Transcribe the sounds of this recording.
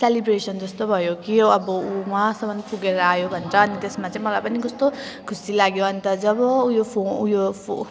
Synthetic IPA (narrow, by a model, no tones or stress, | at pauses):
selibɾesʌnd͡zʌst̪obʱʌjokiʌbʌumasʌbʌnpʰuɡeɾʌajobʱʌnɾʌːnit̪esmat͡sãĩmʌlajpʌnid͡zʌst̪okʰusilaɡjoʌnit̪ʌd͡zʌbʌujopʰonujopʰo